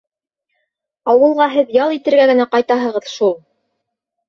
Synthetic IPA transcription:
ɑwɤ̆lˠʁɑɦɘðjɑlˠit̪ɘ̆ɾɡæɡɘ̆næqɑjt̪ɑɦɤ̆ʁɤðʃulˠ

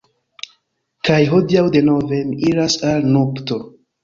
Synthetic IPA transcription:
kajɦodiawde̞no̞ve̞miiɾasalnokto

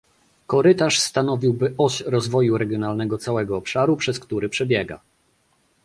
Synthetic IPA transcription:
kɔɾɘt̪aʂst̪anɔvʲiwbɘʔɔɕɾɔzvɔjuɾɛɡʲjɔnalnɛɡɔt̪sawɛɡɔːpʂaɾupʂɛskt̪uɾɘpʂɛbʲjɛɡa̰

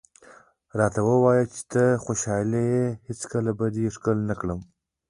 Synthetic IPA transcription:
ɾɑt̪awəwɑjat͡ʃe̥t̪əxoʃɑlejehɪt͡skəlabad̪iʂkəlnakɽəm

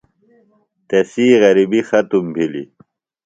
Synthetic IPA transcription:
t̪esiːɣɐɾibixɐt̪umbʱilḭ

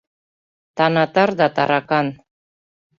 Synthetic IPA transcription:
t̪ɑnɑt̪ɑɾd̪ɑt̪ɑ̰ɾɑkɑn

